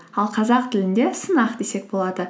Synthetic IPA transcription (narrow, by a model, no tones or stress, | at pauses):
ɑlˠqʰɑzɑqt̪ʰɪlɪnd̪e̞sənɑqd̪e̞se̞k̚bo̞lˠɑd̪ə